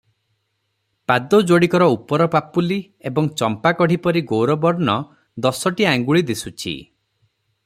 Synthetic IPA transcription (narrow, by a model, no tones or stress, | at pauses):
pad̪od͡ʒoɽikɔɾɔupɔɾɔpapuli | ebɔŋt͡ʃɔmpakɔɽ̤ipɔɾiɡowɾɔbɔɾnɔ | d̪ɔsɔʈiaŋɡuɭid̪isut͡ʃʰḭ